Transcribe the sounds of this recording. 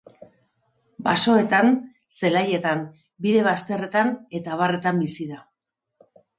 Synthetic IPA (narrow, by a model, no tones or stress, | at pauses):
baso̞e̞t̪an | se̞laje̞t̪am | biðe̞β̞ast̪e̞re̞t̪ane̞t̪aβ̞are̞t̪ambisiða